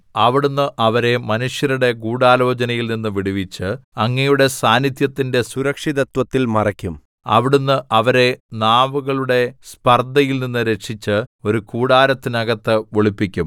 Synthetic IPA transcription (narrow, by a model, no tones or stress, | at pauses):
ɐʋiɽunːɨʔɐʋɐɾe̞mɐnuʂjɐɾuɽe̞ɡuːɽaːlo̞ːd͡ʑɐnɐjilninːɨʋiɽiʋit͡ɕːɨɐŋːɐjuɽe̞saːnit̪jɐt̪ːinde̞suɾɐkʂiðɐt̪wɐt̪ːilmɐrɐkʲːum | ɐ̰ʋiɽunːɨʔɐʋɐɾe̞naːmuɣɐɭuɽe̞spɐrd̪ɐjilninːɨɾe̞kʂit͡ɕːɨo̞ɾukuːɽaːɾɐt̪ːinɐɣɐt̪ːɨʋoɭipːikʲːum